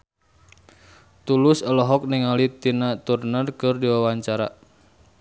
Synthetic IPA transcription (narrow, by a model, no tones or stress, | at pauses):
t̪ulʊsəlɔɦɔk̚nɪŋalit̪inat̪urnərkɨrdiwawaɲt͡ʃaɾa